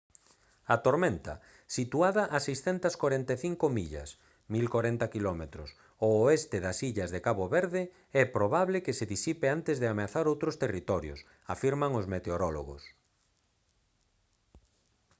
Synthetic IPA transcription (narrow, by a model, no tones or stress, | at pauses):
at̪oɾmẽnt̪ɐ̰ | sit̪uaðɐʔasejsθɛnt̪ɐskwaɾent̪eθiŋkomiʎɐ̰s | milkwoɾɛnt̪ɐkilɔmet̪ɾʊs | ooest̪ɪðɐsiʎɐzðekaβoβɛɾðɪ | ɛpɾoβaβlɪkeseðisipeant̪ɪzðeameaθaɾowt̪ɾost̪erit̪ɔɾjo̰s | afiɾmaŋozmet̪eoɾɔlo̰ɣʊ̰s